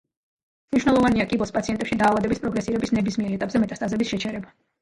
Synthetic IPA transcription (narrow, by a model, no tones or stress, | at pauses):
mniʃwnɛlˠɔvaniakʼibɔspʼat̪siɛnt̪ʼɛpʃid̪aːvad̪ɛbispʼɾɔɡɾɛsiɾɛbisnɛbismiɛɾɛt̪ʼapʼzɛmɛt̪ʼast̪ʼazɛbisʃɛt͡ʃʰɛɾɛba